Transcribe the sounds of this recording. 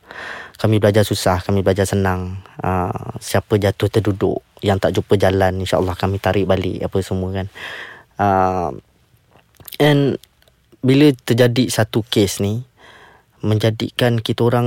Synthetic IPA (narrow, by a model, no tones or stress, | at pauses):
kamĩbəlad͡ʒasusahkamĩbəlad͡ʒasənaŋə̰siapəd͡ʒat̪ʊht̪ərdudʊ̰ʔjaŋt̪aʔt͡ʃupəd͡ʒalaninʃa̰ʔəlːɑhkamĩt̪aɾɪʔbalɪ̰ʔapəsəmuəkan | ə | ɛn | bilət̪ərd͡ʒadisat̪ukesni | mə̃ɲd͡ʒadḭkankit̪əoɾa